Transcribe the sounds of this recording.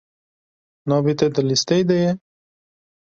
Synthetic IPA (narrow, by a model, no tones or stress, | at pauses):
nɑbit̪ed̪əlist̪ejd̪eje